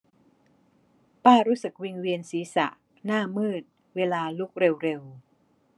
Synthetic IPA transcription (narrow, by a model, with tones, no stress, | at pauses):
paː˥˩ɾuː˦˥sɯ˨˩k̚wi˧ŋwi˧ənsiː˩˦sa̰˨˩ʔ | naː˥˩mɤː˥˩t̪̚ | weː˧laː˧lu˦˥k̚ɾe˧wɾe˧w